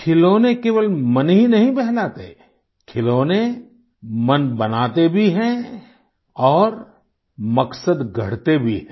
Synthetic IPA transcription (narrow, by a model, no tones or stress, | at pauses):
kʰɪloːnekeːʋəlmɐnɦĩnɐɦĩbɛɦlaːt̪ḛ | kʰɪloːne | mɐnbɐnaːt̪ebʱiɦɛ̃ | ɔːɾ | mɐksəd̪ɡʱɐ̰ɽ̤t̪ebʱiɦɛ̃ː